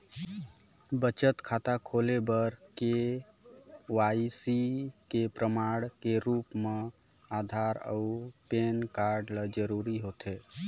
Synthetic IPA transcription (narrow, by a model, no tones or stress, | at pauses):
bət͡ʃət̪kʰat̪akʰoːlebəɾke | waisikepɾəmaɽkeɾuːpme | aːd̪ʱaɾə̰upeːnkaɾɖləd͡ʒəɾuːɾiɦot̪ɦe